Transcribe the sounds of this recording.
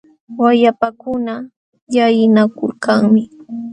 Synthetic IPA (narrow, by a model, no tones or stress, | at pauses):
wajapakʊna | jajɪnakʊlkaŋmɪ